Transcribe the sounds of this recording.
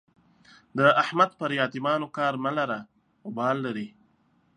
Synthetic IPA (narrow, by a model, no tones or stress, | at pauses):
d̪əahmad̪̚pəɾjɑːt̪ɪmɑːnokɑːɾmalaɾa | ʊbɑːlːaɾi